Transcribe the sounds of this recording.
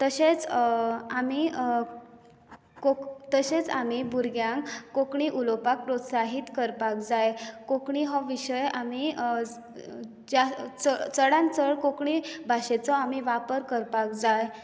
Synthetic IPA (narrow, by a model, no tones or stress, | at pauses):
t̪əɕet͡s | ami | kot̪əɕet͡sa̰mibuɾɡjãŋkːokɳiʔulɔpak̚pɾot̪saɦit̪kəɾpak̚d͡zajkokɳiɦɔʋiɕəjami | d͡ʑat͡sət͡səɽãnt͡səɭkokɳibʱaɕet͡sɔamiʋapəɾkəɾpak̚d͡zaj